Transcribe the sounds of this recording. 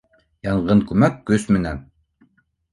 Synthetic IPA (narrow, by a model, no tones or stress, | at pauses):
jɑɴɢɤɴkʉmækːɵsmɘ̆næn